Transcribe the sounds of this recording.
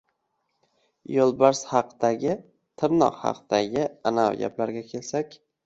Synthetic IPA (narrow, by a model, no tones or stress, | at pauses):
jolˠbaɾshɑqd̪̥aɡʲɪ | t̪ʰɪɾnɒ̰qhɑ̰qd̪̥aɡʲɪanawɡʲa̰plaɾɡʲakʲʰe̞lsakʲ